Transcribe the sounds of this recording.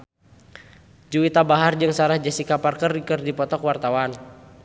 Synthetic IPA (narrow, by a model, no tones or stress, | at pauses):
d͡ʒuwit̪abaɦard͡ʒɨŋsaɾahd͡ʒasikaparkərdikərdipɔt̪ɔkwart̪awan